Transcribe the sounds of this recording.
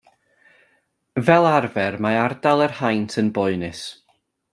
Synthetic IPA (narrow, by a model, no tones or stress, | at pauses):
vɛlˠarvɛrmaardalˠərhajntʰənbɔɨnɨs